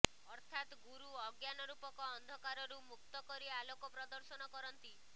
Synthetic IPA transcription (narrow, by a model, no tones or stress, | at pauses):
ɔɾt̪ʰat̪ɡuɾuɔɡjanɔɾupɔkɔːnd̪ʱɔkaɾɔɾumuk̚t̪ɔkɔɾialokɔpɾɔd̪ɔɾsɔnɔkɔɾɔnt̪i